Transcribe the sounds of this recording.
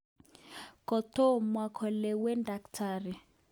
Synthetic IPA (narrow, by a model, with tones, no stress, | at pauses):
kɔ˨t̪ɔ˦mwa˨kʰɔ˨lɛ˨wɛ˦nda˨ktʰaː˨ri˨